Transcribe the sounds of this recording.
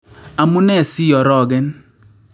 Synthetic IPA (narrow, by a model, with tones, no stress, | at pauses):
a˨mʊ˦nɛ˦˨si˦jɔ˨ɾɔ˦˨ɡɛ˦n